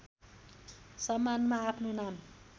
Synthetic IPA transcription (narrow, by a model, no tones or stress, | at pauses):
sʌmːanmaːpʰnonam